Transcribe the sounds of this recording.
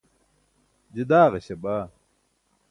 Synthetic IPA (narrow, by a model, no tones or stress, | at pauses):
d͡ʑid̪aːʁɐɕɐbaː